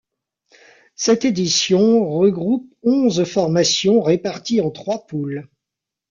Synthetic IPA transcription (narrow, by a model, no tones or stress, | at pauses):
sɛt̪ed̪isjɔ̃ʁəɡʁupɔ̃zfɔʁmasjɔ̃ʁepaʁt̪iɑ̃t̪χwapul